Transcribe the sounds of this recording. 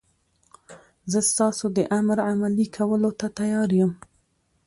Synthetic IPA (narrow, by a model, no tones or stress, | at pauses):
zəst̪ɑsod̪əʔamɾamalikʰawəlot̪at̪ajɑɾjəm